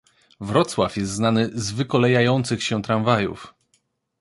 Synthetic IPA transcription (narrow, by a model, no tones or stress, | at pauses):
vɾɔt̪swafjɛst̪znanɘzvɘkɔlɛjajɔnt̪sɘxɕɛ̃t̪ɾaɱvajṵf